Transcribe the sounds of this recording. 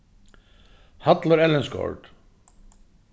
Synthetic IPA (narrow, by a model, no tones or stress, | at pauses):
hat̪laɾɛlːɛnskɔ̰ɹd̪